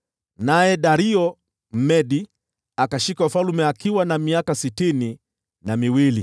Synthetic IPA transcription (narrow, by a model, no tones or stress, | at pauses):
najɛɗaɾiɔ | m̩mɛɗi | akaʃikaufalumɛakiwanamiakasitini | namiwili